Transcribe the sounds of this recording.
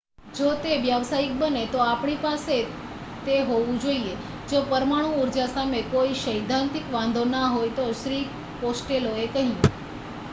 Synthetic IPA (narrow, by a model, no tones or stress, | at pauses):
d͡ʒot̪eʋjaʋsaik̚bənet̪oapɳ̃ipase | t̪eɦoʋũd͡ʒoie | d͡ʒopəɾmaɽ̃ũːɾd͡ʒasamekoiʃəjd̪ʱãnt̪ikʋãnd̪ʱonaɦojt̪oʃɾi | posʈeloekəɦĩe